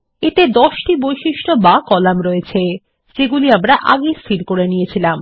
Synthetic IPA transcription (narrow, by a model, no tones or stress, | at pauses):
et̪ed̪ɔʃʈibojʃiʃʈobakɔlamɾɔet͡ɕʰe | d͡ʑeɡuliamɾaʔaɡest̪ʰiɾkoɾenijet͡ɕʰilam